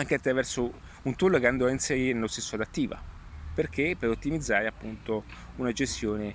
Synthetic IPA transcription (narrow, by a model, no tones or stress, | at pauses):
aŋkeat̪ːɾavɛrso | unt̪ulːokeand̪ɔainseɾiɾenelost̪esːoad̪at̪ːiːva̰ | perk̟epːeɾot̪ːimid̪zːaːɾeapːunt̪o | unad͡ʒest̪joːne